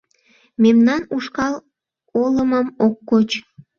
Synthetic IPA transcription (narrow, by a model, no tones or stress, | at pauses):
memnɑnuʃkɑl | oləməmokːot͡ɕ